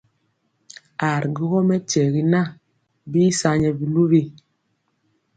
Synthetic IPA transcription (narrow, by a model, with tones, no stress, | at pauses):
a˨ɾɡi˦ɣɔ˦mɛ˦tɛ˨ɣi˨na˦ | biː˦sa˦ɲɛ˨bi˨lu˦βi˦